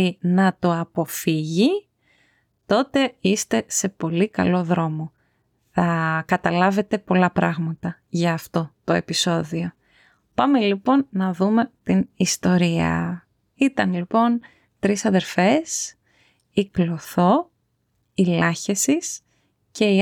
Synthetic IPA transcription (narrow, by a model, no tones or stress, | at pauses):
inɐt̪oɐpo̞fiʝi | t̪o̞t̪e̞ist̪e̞se̞po̞likɐ̰lo̞ðɾo̞mo̞ | θɐkɐt̪ɐlɐve̞t̪e̞po̞lɐpɾɐɣmɐt̪ɐʝɐːft̪o̞t̪o̞e̞piso̞ðio̞ | pɐmelipo̞nːɐðume̞t̪inist̪o̞ɾiɐ̰ | it̪ɐnlipo̞n | t̪ɾisɐðe̞ɾfe̞s | iklo̞θo̞ | ilɐçesis | ce̞i